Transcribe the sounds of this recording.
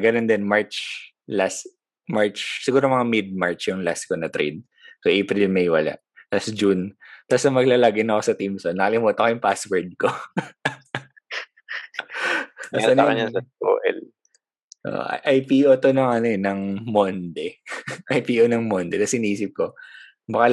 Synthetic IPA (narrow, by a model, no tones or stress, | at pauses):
ɡɐnond̪ɛnmaɹt͡ʃ | las | maɹt͡ʃsɪɡuːɾomɐŋamɪd̪̚maɹt͡ʃjʊŋlaskonɐt̪ɾḛd̪̚ | soʔejpɾɪlmejwɐla̰ʔ | lasd͡ʒunt̪asnɐmɐɡlalaːɡɪnɐkosɐt̪imsonːɐkɐlɪmot̪ɐkɐjʊŋpaswɛɹd̪̚ko | ɐnkɐnɐsɐo̰ːʔɛ̰l | ʔo̰ʔʔɐjpiːʔot̪onɐŋɐnoɛnɐŋmond̪ɛʔɐjpiːʔonɐŋmond̪ɛt̪ɐsɪniːsɪp̚ko | bɐkɐ